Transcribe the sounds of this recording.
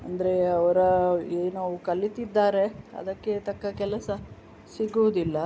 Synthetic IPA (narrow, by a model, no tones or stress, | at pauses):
ɐnd̪ɐɾe̞ɐʋɐɾɐeːnaʋukɐlːit̪id̪ːaːɾe̞ɐ̰d̪ɐkːe̞t̪ɐkːɐkɛlɐsɐ | siɡuʋɐd̪ilːɐ